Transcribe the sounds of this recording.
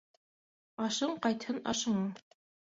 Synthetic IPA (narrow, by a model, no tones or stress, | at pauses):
ɑʃɤɴqɑjt̪hɤnɑ̰ʃɤ̆ɴɤɴ